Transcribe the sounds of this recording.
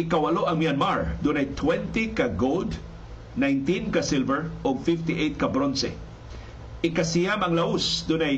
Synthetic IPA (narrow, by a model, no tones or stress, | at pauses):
ɪkawaloʔɐŋmianmaɹd̪ʊnajt̪ʰwɛnt̪ikaɡold̪ | najnt̪ĩnkasɪlvɛɹʊɡ̚fɪft̪ɪʔejt̪̚kabɾonsɛ̰ | ʔɪkasɪjamɐŋlaʊsd̪ʊnaj